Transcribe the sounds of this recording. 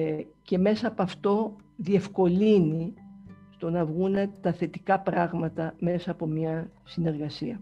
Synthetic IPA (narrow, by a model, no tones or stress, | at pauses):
ce̞me̞sɐːpoɐft̪o̞ | ðie̞fko̞linist̪o̞nɐvɣune̞t̪ɐθe̞t̪ikɐpɾɐɣmɐt̪ɐme̞sɐːpo̞mɲɐsine̞ɾɣɐsiɐ